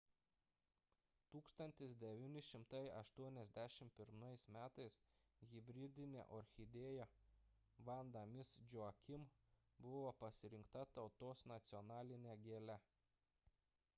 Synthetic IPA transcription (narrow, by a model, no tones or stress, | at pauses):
t̪uːkst̪ɐnʲt̪ʲɪsd̪ʲɛʋʲinʲɪʃʲɪmt̪ɐɪɐʃt̪uɔnʲɛzʲd̪ʲæʃʲɪmpʲɪɾmɐɪsmʲæːt̪ɐɪsɣʲɪbʲɾʲɪd̪ʲɪnʲḛʔɔɾʲxʲɪd̪ʲeːjɛ | ʋɐnd̪ɐmʲɪsd͡ʒʲʊɐkʲɪm | bʊʋopɐsʲɪɾʲɪŋkt̪ɐt̪ɐʊt̪oːsnɐt̪sʲɪɔnɑːlʲɪnʲeɡʲeːlʲɛ